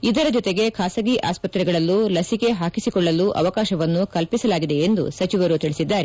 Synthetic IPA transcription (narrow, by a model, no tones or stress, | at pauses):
id̪ɐɾɐd͡ʒɔt̪e̞ɡe̞kʰaːsɐɡiʔaːspɐt̪ɾɛɡɐɭɐlːulɐsike̞ɦaːkisikɔɭːɐlːuʔɐ̰ʋɐkaːʃɐʋɐnːukɐlpisɐlaːɡid̪e̞end̪ṵsɐt͡ʃiʋɐɾut̪iɭisid̪ːaːɾe